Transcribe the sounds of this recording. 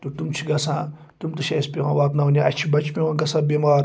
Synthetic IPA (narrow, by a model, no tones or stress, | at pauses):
t̪ut̪umt͡ʃʰi̥ɡɐsãː | t̪umt̪uʃɐspʲiwã̰ːʋaːpnɐunʲiʔɐt͡ʃʰibɐt͡ʃpʲiwãːɡɐsãːbʲemaːɾ